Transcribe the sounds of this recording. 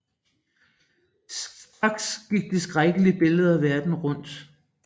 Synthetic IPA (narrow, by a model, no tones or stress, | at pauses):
sɑ̈ɡ̥sɡ̥iɡ̥̚d̥e̝sɡ̥ʁaɡ̥əliəb̥e̝ləð̞̩ˠæʋæɐd̥n̩ʁɔ̽n̰d̥